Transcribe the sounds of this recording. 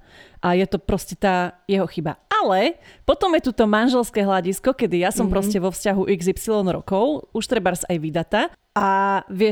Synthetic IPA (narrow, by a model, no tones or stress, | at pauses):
ʔajɛt̪ɔpɾɔscɛt̪aːjɛɦɔxiba̰alɛpɔt̪ɔmjɛt̪ut̪ɔmanʒɛlskɛːɦlaɟiskɔkɛd̪ijasɔmpɾɔscɛʋɔfscaɦuʔiɡzipsilɔnɾɔ̰kɔʊuʃt̪ɾɛbaɾzajʋid̪at̪a | ʔaʋɪɛ